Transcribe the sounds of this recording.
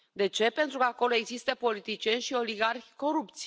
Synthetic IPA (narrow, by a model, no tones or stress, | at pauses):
d̪e̞t͡ʃe̞pe̞nt̪ɾukəako̞lo̞e̞ɡzist̪əpo̞lit̪it͡ʃie̞nʲʃio̞liɡarxʲko̞ɾup̚t̪s